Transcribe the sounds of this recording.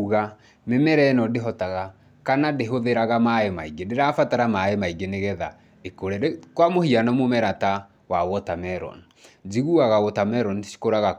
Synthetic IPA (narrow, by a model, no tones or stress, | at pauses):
uɣa | memɛɾɛnɔdeɦɔtaɣa | kanadeɦoðeɾaɣamaemaiɡendeɾafataɾamaemaiɡeneɣɛða | ekoɾɛɾekwamohianɔmomɛɾata | wawɔtamɛɾɔ̰n | d͡ʒiɣuaɣaɣɔtamɛɾɔnʃi̥koɾaɣa